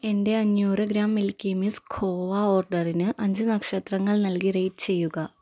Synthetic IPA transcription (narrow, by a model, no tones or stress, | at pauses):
e̞nde̞ɐɲjuːroɡɾaːmːilkʲimiskʰoːʋɐoːrɖɐrinɨʔɐɲd͡ʑɨnɐkʂɐt̪rɐŋːɐɭnɐlkirejtɨt͡ɕe̞jːuɣɐ